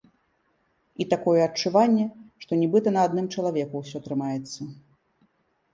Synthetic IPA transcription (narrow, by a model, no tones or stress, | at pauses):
it̪akɔjɛɐt͡ʂːuvanʲːɛʂt̪ɔnʲɛbɨt̪ɐnɐːd̪nɨmt͡ʂɐlˠavʲɛkuwsʲɔt̪ɾɨmajɛt̪sːɐ